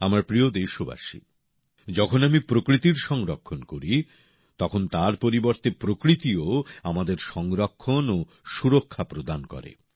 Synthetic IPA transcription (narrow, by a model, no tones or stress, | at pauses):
amaɾpɾiod̪eʃoba̰ʃḭ | d͡ʑɔkʰonamipɾokɾit̪iɾʃɔŋɾokʰːonkoɾi | t̪ɔkʰont̪aɾpoɾiboɾt̪epɾokɾit̪ioamad̪eɾʃɔŋɾokʰːono | ʃuɾokʰːapɾod̪ankɔ̰ɾḛ